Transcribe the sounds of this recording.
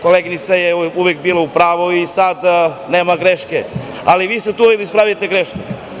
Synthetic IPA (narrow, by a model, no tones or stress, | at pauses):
koleɡnit̪sajeuʋek̚biːlaupɾaːʋoisad̪neːmaɡɾeʃke | aliʋiːst̪et̪uuʋekd̪aispɾaːʋijet̪eɡɾeʃku